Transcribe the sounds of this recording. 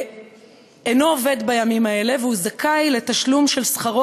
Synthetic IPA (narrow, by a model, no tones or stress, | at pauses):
eno̞ːved̪bajamimae̞le̞veuzakʰajle̞t̪aʃlumʃe̞lsχaʁo